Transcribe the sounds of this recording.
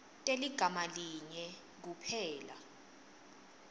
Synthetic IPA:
tʼeliɡ̥ʱamaliɲɛ | k̬upʰɛːla̰

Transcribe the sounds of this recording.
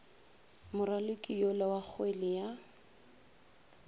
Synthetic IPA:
mʊralʊkʼijɔlawak͡xʰwelɪja

